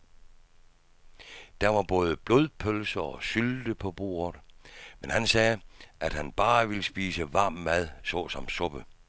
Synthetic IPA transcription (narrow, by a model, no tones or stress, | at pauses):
d̥æɐʋɑ̈b̥ɔ̽ːð̞ˠəb̥lo̝ð̞ˠpʰølsɐɒ̽syld̥əpʰɒ̽b̥o̝̰ːɐðˠmenhænsɛːʔæd̥hænb̥ɑ̈ːʋiləsb̥iːsəʋɑ̈ːmːæðˠsɒ̽sɒ̽msɔ̽b̥ə